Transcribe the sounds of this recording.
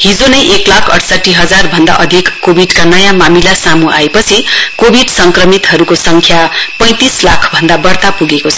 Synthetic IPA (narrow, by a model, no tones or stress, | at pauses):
ɦid͡zonʌjʔeklakʰʌ̰ʈʰsʌʈːiɦʌd͡zarbʱʌnd̪a̰ʔʌd̪ʱikːobʱiɖkanʌjamamilasamuʔaepʌt͡sʰikobʱiɖsʌŋkrʌmit̪ɦʌɾukosʌŋkʰjapʌ̃j̃t̪islakʰbʱʌnd̪abʌrt̪apuɡekot͡sʰʌ